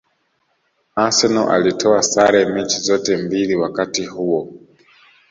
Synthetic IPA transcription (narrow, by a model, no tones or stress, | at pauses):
asɛnɔʔa̰litʰɔasaɾɛmɛt͡ʃizɔtɛmbiliwakatihuwɔ